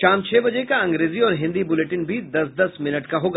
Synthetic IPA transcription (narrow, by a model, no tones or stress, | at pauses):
ʃaːmt͡ʃʰɛːbɐd͡ʒekaɐ̃ŋɡɾeːziɔːɾɦɪ̃nd̪ibʊleʈɪnbʱid̪ɐsd̪ɐsmɪnəʈkaɦoːɡaː